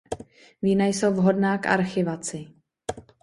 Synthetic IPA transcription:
viːnajsowvɦo̞dnaːkʔa̰ɾxɪvat͡sɪ

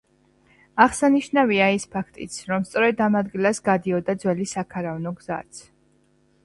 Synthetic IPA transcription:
aʁsaniʃnaviaispʰakʰt̪ʼḭt̪sʰɾɔmst̪sʼɔɾɛd̪amad̪ɡilasɡad̪iɔd̪ad̪zwɛlisakʰaɾavnɔɡza̰t̪sʰ

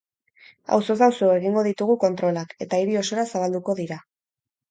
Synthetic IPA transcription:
a̰wso̞sawsoe̞ɣiŋɡo̞ðit̪uɣ̞uko̞nt̪ɾo̞lake̞t̪aiɾio̞so̞ɾasaβ̞ald̪uko̞ðiɾa

